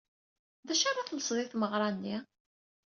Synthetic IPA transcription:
ðæʃɑrˤːɑθməsˤðˤɪθməʁɾˤɑnːi

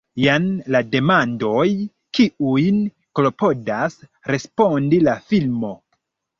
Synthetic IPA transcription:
janlade̞mando̞j | kiujn | klo̞po̞das | ɾe̞spo̞ndilafilmo̞

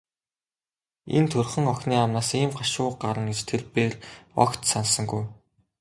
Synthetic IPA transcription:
ḛnt̪ʰɵrχɘ̆ŋɔxʲniːamnaːsiːmɢaʃʊːɢaɾə̆ŋɡet͡ɕt̪ʰerpeːrɔ̰kt̪sansə̆ŋɡuj

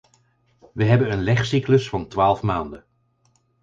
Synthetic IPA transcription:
ʋəɦɛbənənlɛχsikləsfɑntʋaːlˠfmaːndən

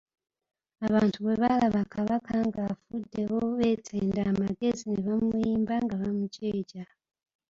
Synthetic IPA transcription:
aβaːntʰuβe̞βalaβakaβakaŋɡafudːe̞βoβe̞ːtʰeːndaːmaɡe̞zineβamuiːmbaŋɡaβamuceːɟa

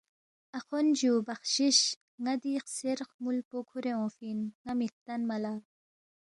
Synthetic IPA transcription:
ɐxond͡ʑubɐχɕiɕ | ŋad̪iːxseɾxmulpokʰuɾeõːfinŋamik̚t̪ɐnmɐlaː

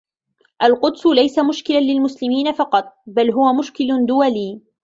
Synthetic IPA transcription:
ʔalqʊd̪sʊlajsamʊʃkɪlanlɪlmʊslɪmiːnafɑqɑt̪̚ˤbalɦʊwamʊʃkɪlʊd̪ʊwaliː

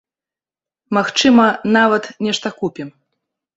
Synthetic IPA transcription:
maxt͡ʂɨmɐnavɐt̪nʲɛʂt̪ɐkupʲim

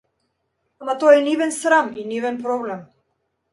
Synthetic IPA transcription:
amat̪ɔaɛnivɛnsɾaminivɛnpɾɔblɛm

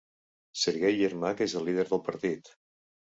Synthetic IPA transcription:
səɾɣejːəɾmakezəlːið̞əɾðəlˠpəɾt̪it̪

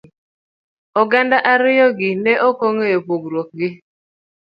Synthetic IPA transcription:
ɔɡandaʔaɾɪjɔɡɪnɛʔokoŋejopoɡɾwok̚ɡɪ

